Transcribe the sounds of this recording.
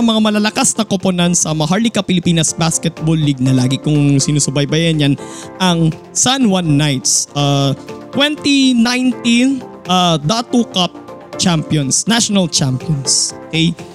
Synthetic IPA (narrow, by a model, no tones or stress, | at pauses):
ɐmɐŋamɐlalɐkasnɐkoponɐnsɐmɐɐɦaɹlikɐpɪlɪpiːnɐsbaskɛt̪̚bolːiɡ̚nɐlaːɡɪkʊŋsɪnusʊbajbɐjɐnjanʔɐŋ | sanwɐnːajt̪̚sat̪wɛnt̪inajnt̪inʔad̪at̪ukap̚t͡ʃampjonsnaʃonɐlt͡ʃampjonsʔokɛj